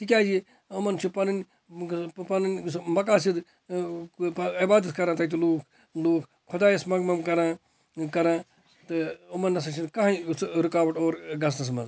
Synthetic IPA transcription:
t̪ik̬ʲaːd͡ʒi | umɐnt͡ʃʰupɐnɐnʲ | pɐnɐnʲsmɐkaːsid̪ | ibaːd̪ɐt̪ʰkɐɾãːt̪ɐt̪̬uluːkʰ | luːkʰ | kʰʊd̪aːjɐsmɐɡmɐmkɐɾãː | kɐɾãː | t̪ɨumɐnːɐs̬ɐt͡ʃʰinkɐɦãsɾukaːʋɐʈoːɾɡɐs̬nɐs̬mɐ̰z

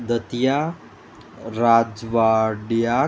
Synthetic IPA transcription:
d̪ət̪ija | ɾad͡ʒʋaɖja

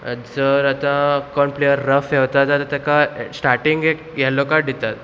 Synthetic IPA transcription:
d͡zəɾat̪ãkɔɳplijəɾːəfɛʋt̪at̪at̪at̪akasʈaɾʈiŋɡekjɛlːokaɖʱit̪at̪

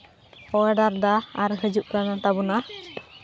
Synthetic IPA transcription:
ɔɛɖaɾd̪aːɾɦəd͡ʒuʔ̚ɾanat̪abuna

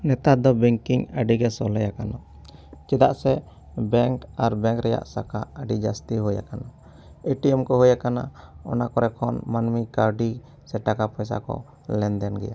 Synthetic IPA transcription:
nɛt̪ad̪ɔbɛŋkiŋəɖiɡɛsɔlɛjakanɔ | t͡ʃɛd̪a̰ʔsɛ | bɛŋkaɾbɛ̃ŋkɾɛja̰ʔsakaəɖid͡ʒast̪iɦuja̰kana | eʈiɛmkɔɦujakana̰ɔ̰nakɔɾɛkʰɔnmanmikaɾɖi | sɛʈakapɔjs̬a̰kɔ̰ | lɛnd̪ɛnɡɛja

